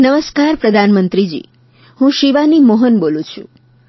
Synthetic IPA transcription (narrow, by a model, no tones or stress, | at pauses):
nəməskaɾpɾəd̪ʱanmənt̪ɾid͡ʒḭ | hũʃiʋanimoɦənbolũt͡ʃʰṵ̃